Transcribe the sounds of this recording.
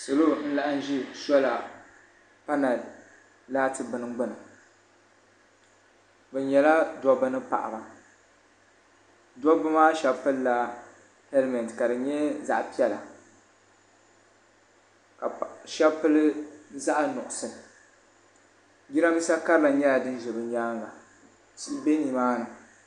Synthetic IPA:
so˨lo˦n̩˦la˦ʔa˦n̩˦ʒi˦sɔ˦la˨ | pa˦na˨ | laː˦tɨ˨bɨ˨nɨ˦ɡ͡bɨ˦nɨ˨ | bɨ˨ɲɛ˨la˦dɔ˦bɨ˦nɨ˦pa̰˨ʔa̰˨ba˨ | dɔ˦bɨ˦maː˦ʃɛ˦pɨ˦lla˦ | hɛ˦lmɛ˨ntka˨dɨ˨ɲɛ˦za̰˨ʔpi˦ɛ˦la˨ | ka˨ʃɛ˦bpɨ˦lɨ˦za˦ʔnʊ˨ʔʊ˨sɨ˨ | ɡi˦ɾa˦mi˦sa˦ka˦ɾɨ˦la˨ɲɛ˦la˨dɨ˦n˦ʒɛ˨bɨ˨ɲaː˦ŋɡa˨ | ti˦be˦ni˨maː˦nɨ˨

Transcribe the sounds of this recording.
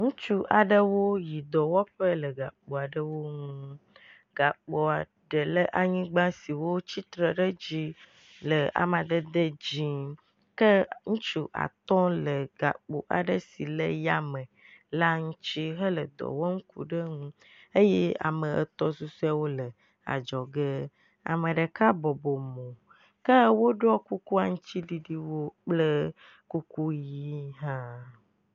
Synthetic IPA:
ŋũ˦t͡ʃu˦ʔa˨ɖə˦wo˦ji˨d̪ɔ˨wɔ˦ɸə˦lə˨ɡa˨k͡po˨a˨ɖə˦wo˦ŋũ˦ | ɡa˨k͡po˨a˨ | ɖə˨lə˦ʔa˨ɲĩ˦ɡ͡bã˦si˨wo˦t͡ɕi˦t̪ɾə˨ɖə˦d͡ʑi˦ | lə˨a̰˨mã˨d̪ə˦d̪ə˦d͡ʑi˨ | kə˦ŋũ˦t͡ʃu˦ʔa̰˨t̪ɔ̃˦lə˨ɡa̰˨k͡po̰˨ʔa̰˨ɖə˦si˨lə˦ja˦mə̃˨ | la˦ŋũ˦t͡ɕi˦ɦə˦lə˨d̪ɔ̰˨wɔ˦ŋ̩˦kṵ˨ɖə˦ŋũ˦ | ə˦je˦a̰˨mə˨ʔə̰˨t̪ɔ˦su˦su˦a˨wo˦lə˨ | a̰˨d͡ʒɔ˨ɡə˦ | a̰˨mə˨ɖə˨ka˦bɔ˨bo˨mõ˨ | kə˦wo˦ɖɔ˦ku˦ku˦a˨ŋũ˦t͡ɕi˦ɖi˦ɖi˦wo˦k͡plə˦ | ku˦ku˦ji˦ɦã˦

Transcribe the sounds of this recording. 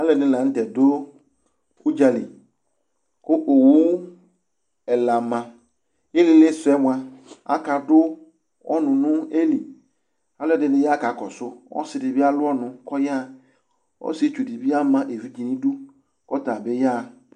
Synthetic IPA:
a˦lɛ˨dɪ˦˨ã˨n̩˦tɛ˨dʊ˦ | u˦d͡ʒa˨lḭ˨ | kʊ˦ʔo˨wo˦ | ɛ˨la˨mã˨ | je˦lɪ˨lɪ˦sʊ˨ɛ˦mʊ˨a˨a̰˦ka˨dʊ˦ | ɔ̰˦nʊ̃˨nʊ̃˦e˦li˨ | a˨˦lɛ˦˨dɪ˦dɪ˦ja˦ka˨˦˨kɔ˨sʊ˦ɔ̰˦sɪ˨dɪ˨bɪ˦a˦lʊ˦ɔ˦nʊ̃˨kɔ˦ja˦˨ | ɔ̰˦sɪ˦e˨˦t͡ʃu˨di˨bɪ˦a˦mã˨˦ʔe˨vi˦d͡ʒi˨nĩ˦du˦ | kɔ˦ta˨bɪ˦ja˦˨

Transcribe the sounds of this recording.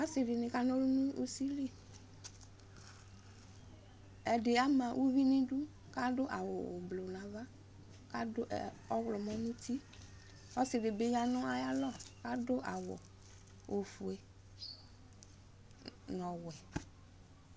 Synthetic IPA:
a˦sɪ˨dɪ˨nɪ˨ka˦nɔ˦lu˦nu˦ʔu˦si˦li˦ | ɛ˨de˨a˦mã˨ʔu˦vi˦nĩ˦du˦ | ka˦dʊ˦ʔa˨wɔ˨blo˨na˨va˦ | ka˦dʔ | ɔ˦wlɔ˨mɔ˦nu˦ti˦ | ɔ˦sɪ˨dɪ˨be˦ɲa˨nʊ˦a˦ja˦lɔ˦˨ka˦dʊ˦ʔa˨wɔ̰˨ | o˨fu˨e˨ | nɔ˨wɛ˨

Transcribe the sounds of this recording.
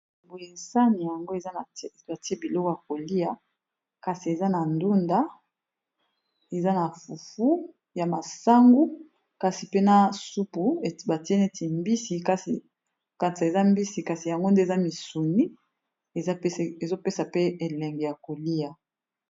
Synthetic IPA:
bo˨je˨sa˦ni˨ja˨ŋɡo˦e˨za˦na˨˦e˨ta˨ti˦e˦bi˨lo˦ko˦ja˨ko˨li˦ja˨ | ka˨si˨e˨za˦na˨ndu˦nda˦ | e˨za˦na˨fu˨fu˦ | ja˨ma˨sa˦ŋɡu˦ | ka˨si˨pe˦na˦su˦pu˨ba˨ti˦e˦ne˦ti˨mbi˦si˨ka˦si˨ | ka˨nsa˨e˨za˦mbi˦si˨ka˨si˨ja˨ŋɡo˦nde˦˨za˦mi˨su˨ni˦ | e˨za˦e˨zo˦pe˦sa˨pe˦e˨lɛ˨ŋɡe˨ja˨ko˨li˦ja˨

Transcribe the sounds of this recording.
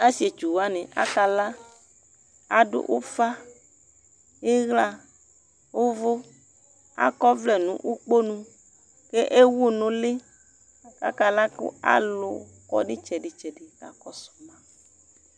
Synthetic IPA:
a˦si˨˦e˨t͡ʃu˨wa˦nẽ˨a̰˦ka˨la˦ | a˨ɖo̰˦ʔo˦fa˦ | je˦ɣla˦ | wo˦vo˦ | a̰˦kɔ˦vlɛ˨nũ˨˦ʔu˦k͡po˦nũ˦ | ke˦ʔe˦wo˦nõ˨le˦˨ | ka̰˦ka˨la˦kḛ˦a̰˦˨lo˨ | kɔ̰˨ɖe˦t͡ʃɛ˨ɖe˨t͡ʃɛ˨ɖe˨ka̰˨kɔ˦sɔ̥˨mã˦

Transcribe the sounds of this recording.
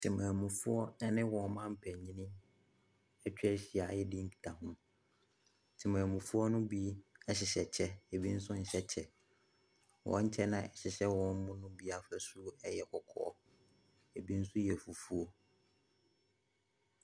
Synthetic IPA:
tʰɪ˨mã˨mũ˨fʊ˦ɔ˦nã˦nɪ̃˦wɔ̃˨˦mã˦m̩˦pʰɛ˨ɲĩ˦nĩ˦ | ɛ˦t͡ɕᶣɛ˦ɕi˨a˨jɪ˦dɪ˦m̩˦kʰi̥˨tʰa˨ɦʊ̃˦ | tʰɪ˨mã˨mʊ̃˨fu˦ɔ˦nʊ̃˦bi˦ɛ˦ɕɪ˨ɕɛ˨t͡ɕʰɛ˦e˨bi˦n̩˦s̬ʊ̃˦n̩˨ɕɛ˦t͡ɕʰɛ˨ | wʔɔ̰̃˨˦ɲ̩˦t͡ɕʰɛ˦nã˦ɛ˨ɕɪ˨ɕɛ˦wɔ̃˨˦m̩˦mʊ̃˦nʊ̃˦bi˦a˨fɛ˦su˦ɛ˦jɛ˨kʰɔ˨kʰɔ̰˨ɔ̰˦ | e˨bi˦n̩˦sʊ˦jɛ˨fu˨fu˦o˦

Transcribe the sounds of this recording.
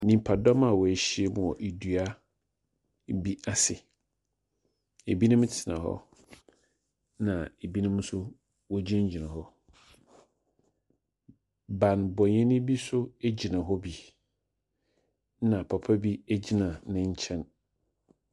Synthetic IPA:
nĩ˨m˨pʰa˨dɔ˦ma˨wɔ˨ɕi˦ɛ˦˨mʊ̃˨ɔ˨ʔe˨dɥa˦ | bi˦a˦sɪ˨ | e˨bi˦nʊ̃˦m˦tʰɪ˨nã̰˨hɔ̰˦ | nã˨e˨bi˦nʊ̃˦m˦sʊ˦ | wɔ˦d͡ʑĩ˦ɲ˦d͡ʑi˨nã˨hɔ˦ | ba˨nbɔ˨ɲɛ̃˦nɪ̃˦bi˦sʊ˦e˦d͡ʑi˨nã˨ɦɔ˦bi˨ | nã˨pʰa˨pʰa˦bi˦æ˦d͡ʑi˦nã˨nɪ̃˦ɲ˦t͡ɕʰɛ̃˦n

